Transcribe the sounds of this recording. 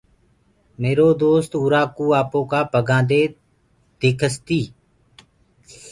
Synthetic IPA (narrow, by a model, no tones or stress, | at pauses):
meːɾoːd̪oːst̪uːɾaːkuːaːpõːkaːpəɡãːd̪eː | d̪eːkʰəst̪iː